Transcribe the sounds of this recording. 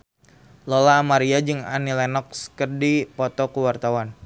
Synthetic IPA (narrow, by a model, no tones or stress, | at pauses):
lɔlamaɾiad͡ʒɨŋa̰nilɛnɔk̚skərdipɔt̪ɔkəwart̪awan